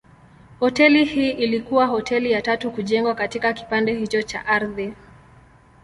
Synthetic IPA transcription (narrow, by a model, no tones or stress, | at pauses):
hɔtɛlihiːʔilikuwahɔtʰɛlijatatukuʄɛŋɡwakatikaki̥pandɛhit͡ʃɔt͡ʃa̰ʔaɾði